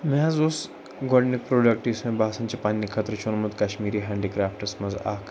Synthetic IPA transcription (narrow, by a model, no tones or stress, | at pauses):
mazos | ɡɔɖnik̚pɾoɖək̚ʈismẽbʱasãnt͡ɕepanːikʰɐt̪ɾət͡ʃʰunmut̪kaɕmiːɾiːɦãɳɖikɾaːfʈəsmɐza̰k